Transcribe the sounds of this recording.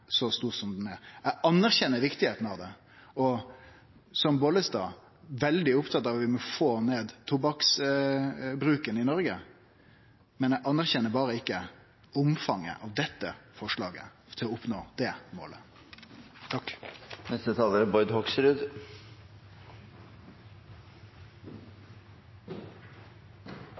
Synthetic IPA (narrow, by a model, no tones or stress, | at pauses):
sɔst̪uːʁsɔmd̪næɾæɑnːæɾçɛnːəɾʋɪkt̪ɪheːt̪n̩ɑʋd̪ɛ | ɔ | sɔmboːləsd̪ɑ̰ː | ʋɛld̪ɪʊpt̪ʰɑt̪ːɑːʋʋɪmɔfoːneːd̪t̪ʰʊbɑks | bɾʉːkənɪnɔɾɡə | mɛnɛʔɑnːæɾçɛnːəɾbɑːɾəɪkːə | ʊmfɑŋːə̰ʔɑʋd̪ɛt̪ːə̰fɔʂɭɑːɡə̰ | t̪ʰɪlɔʊpnoːd̪̥ɛːmo̰ːlə | t̪ʰɑkːnɛst̪ət̪ʰɑːləɾəbɔʏd̪hɔksɾʉd̪